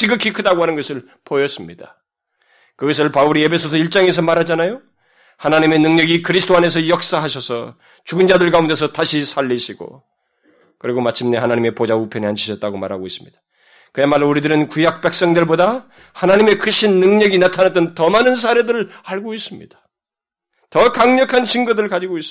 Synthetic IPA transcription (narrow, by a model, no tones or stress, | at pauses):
t͡ɕiɡɯkʰikʰɯdaɡoɦanɯnɡʌsʰɯɭ | pojʌs͈ɯmɲid̥a | kɯɡʌs̬ʰɯɭpauɾie̞pʰe̞sʰos̬ʰʌiɭt͡ɕ͈aŋe̞s̬ʰʌmaɾɦad͡ʑanajo | hanaɲime̞nɯŋɲʌɡikɯɾisʰdoane̞s̬ʰʌjʌk̚s͈aɦaɕʰʌsʰʌ̰ | t͡ɕuɡɯnd͡ʑadɯɭkaunde̞s̬ʰʌtaɕʰisʰaʎːiɕʰiɡo̰ | kɯɾiɡomat͡ɕʰimneɦanaɲime̞pod͡ʑaupʰjʌneant͡ɕʰiɕʰʌt͈̚aɡoma̰ɾɦaɡois͈ɯ̥mɲid̥ḁ | kɯemaɾuɾidɯɾɯnkujak̚p͈e̞k̚s͈ʌŋdweɭboda | hanaɲime̞kɯɕʰinːɯŋɲʌɡinatʰanat͈ʌntʌmanɯns̬ʰaɾe̞dɯɾɯɭaɭɡois͈ɯmɲḭd̥ḁ | tʌkaŋɲʌkʰanɕʰiŋɡodɯɭkad͡ʑiɡois͈